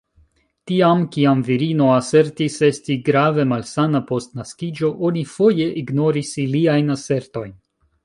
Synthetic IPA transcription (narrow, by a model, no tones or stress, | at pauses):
tiamkiamviɾino̞ase̞ɾtise̞stiɡɾave̞malsanapo̞stnaskid͡ʒo̞ʔo̞nifo̞je̞ʔiɡno̞ɾisiliajnase̞ɾto̞jn